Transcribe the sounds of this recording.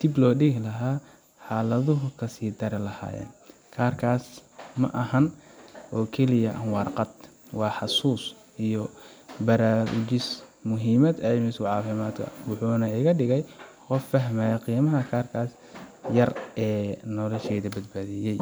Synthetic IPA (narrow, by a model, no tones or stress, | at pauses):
d̪̥ɪblɔːɖɪɣlɐɦaː | ħɑːlɐðʊɦʊkʰɐsiːd̪ʰɐɾɪlɐha̰ːjɛ̰ːn | kʰaːrkʰaːsmɐ̰ʔɐhɐnʔɔːkʰɛlɪjɐʔɐŋwɑrqɑd̪ | wɑːħɑsuːs | ʔijɔbɐɾaːwʊ̰d͡ʒɪsmʊɦiːmɐd̪ɐjmɪskʊʕɑːfɪmaːd̪kʰɐ̰wʊħuːnɐɪɣɐɖɪɣɛjqɔfːɐɦmaːjɐqiːmɐɦɐkʰaːrkʰaːs | jɐrɛːnɔlɔʃɛːðɐbɐd̪baːðijɛj